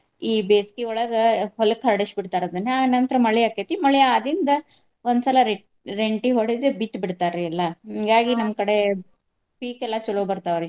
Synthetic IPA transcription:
iːbeːskiɔɭɐɡɐɦɔlɐkʰɐɾɖɐʃbiɽt̪aːɾɐd̪ɐnːeanɐnt̪ɾɐmɐɭɛjakːet̪imɐɭɛjaːd̪ɾind̪ɐ | ond̪sɐlɐɾ | ɾeɳʈiɦoɽid̪ebit̪biɽt̪aːɾeɐlːɐŋɡaːɡinɐmkɐɽe̞ | piːkɛlːat͡ʃɔloɡbɐɾt̪aːʋɾe

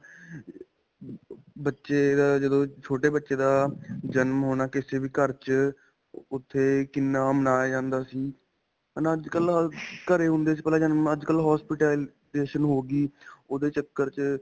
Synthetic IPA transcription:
bətːʃeːd̪aːd͡ʒəd̪õːt͡ʃʰoːʈeːbətːʃeːd̪aːd͡ʒənmɦoːnaːkɪseːbiːkəɾt͡ʃ | ʊt̪ʰːeːkɪnːaːmənaːjaːd͡ʒãːnd̪aːsiː | ənaːəd͡ʒkəlkəɾeːɦʊ̃nd̪eːsiːpɛlaːd͡ʒənməd͡ʒkəlɦɔːspɪʈe | eːʃənɦoːɡiːoːd̪eːt͡ʃəkːəɾt͡ʃ

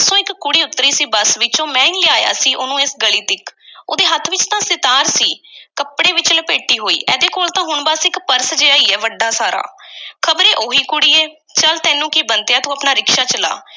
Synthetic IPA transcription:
sõːɪkkːʊɽiːʊt̪ːɾiːsiːbəsʋɪt͡ʃõːmɛ̃ːɪŋlɪaːja̰ːsiːʔʊnũːɪsɡəliːt̪ɪko̰ːd̪eːɦət̪ʰːʋɪt͡ʃt̪ãːsɪt̪aːɾsiːkəpɽeːʋɪt͡ʃləpeːʈiːɦoːḭːʔɛːd̪eːkoːlt̪ãːɦʊɳbəsɪkpəɾsd͡ʒeːaːiːɛːʋəɖːaːsaːɾa̰ːkʰəbɾeːʔoːɦiːkʊɽiːɛː | t͡ʃəlt̪ɛ̃ːnũːkibənt̪ejaːt̪ũːapnaːɾɪkʃaːt͡ʃəla̰ː

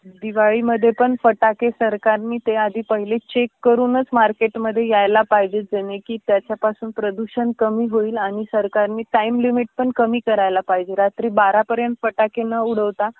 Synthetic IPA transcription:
d̪iʋaɭiməd̪ʱːjepəɳfəʈakesəɾkaɾniːt̪ead̪ʱiːpəɦilet͡ɕekːəɾuːnət͡smaɾkeʈməd̪ʱːjejajlapaɦd͡ʑed͡zənekiːt̪jat͡ɕjapasuːnpɾəd̪uɕənkəmiːɦoiːlaɽ̃isəɾkaɾniːʈaimlimiʈ̚pəɳkəmiːkəɾajlapaɦid͡ʑeɾat̪ɾiːbaɾapəɾjənt̪fəʈakenəuɽ̤əʋt̪a

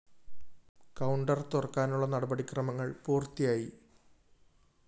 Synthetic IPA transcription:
kɐwɳɖɐrt̪orɐkːaːnuɭːɐnɐɽɐbɐɽikrɐmɐŋːɐɭpuːrt̪ːijaːji

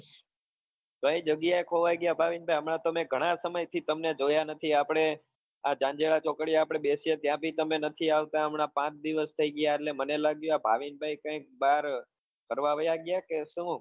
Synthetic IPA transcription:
kə̃ĩd͡ʒəɡjaekʰoʋajɡjabʱaʋinbʱajəmɳãt̪əmẽɡʱəɽ̃asəməjt̪ʰit̪əmned͡ʒojanət̪ʰiapɽ̃e | ad͡ʒãnd͡ʒeɭat͡ʃokɽjaːpɽ̃eɓesiet̪jãbʱit̪əmenət̪ʰiaʋt̪ãəmɳapãt͡ʃd̪iʋəst̪ʰəiɡjaetlemənelaɡjũabʱa̰ʋinbʱajkə̃ik̚baɾ | pəɾʋaʋəjaɡjakeʃũ

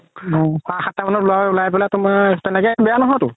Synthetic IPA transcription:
ɔxaxatːamanɔlʊaulajpɛlatʊmatɛnɛkɛbɛjanɔɦɔjtʊ

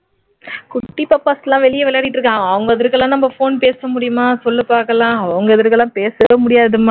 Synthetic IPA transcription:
kʊʈːipːɐpːaːsɐlːãːʋɛɭɪjɐʋɛlɐːɽɪʈːɾɯkːãːɐʋɐŋɡɐɐðɐɾkɐlːãːnɐmbɐfoːnpeːsɐmʊɽɪjɯmaːsɔlːɯpaːɾkɐlãːɐʋɐŋɡɐɐðɐɾkɯɛlːãːpeːsɯʋɐmʊɽɪjaːɐðɯma

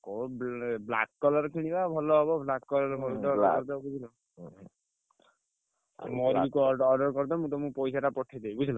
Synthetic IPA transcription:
kobblakkɔlɔɾɔkʰiɽ̃ibabʱɔlɔɦɔβɔblakkɔlɔɾɔbʱɔɾt̪ɔɔɾɔɾd̪ɔbud͡ʒʰʱilɔ | mɔikɔɾɖɔɖɔɾkɔɾt̪ɔmũtɔmũpɔjsaʈapɔʈʰːid̪ebud͡ʒʰʱilɔ

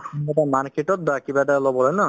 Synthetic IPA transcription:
ɔmatamaɹketɔt̚dakibatalɔbɔlɔjnɔ

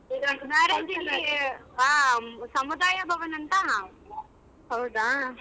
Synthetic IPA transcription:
maːɾed͡ʒi | aːsɐmud̪aːjɐbʱɐʋɐnɐnt̪a | ɦɐwd̪aː

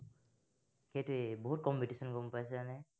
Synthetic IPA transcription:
kejtʊɛboɦut̚kɔmpitisɔnɡompajsɛanɛ

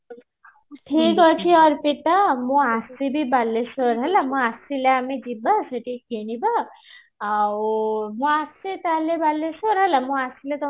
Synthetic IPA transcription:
ʈʰikɦɔt͡ʃʰiɔɾpiʈamũasibʱibalːesɔɾɦɛlamũasileamed͡ʒibaseʈikeniba | awmũasit̪alebalːesɔɾɦɛlamũasilet̪ɔ

